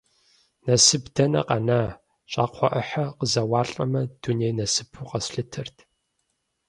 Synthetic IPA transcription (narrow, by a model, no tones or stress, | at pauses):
nɐsɨbdɐnɐ̰qɐnaː | ɕʼaːqʷʰɔʔɐħɐqəzɐwɑːɬʼɐmɐd̥uneːnɐsɨpʰuqɐsɬɨtʰɐrtʰ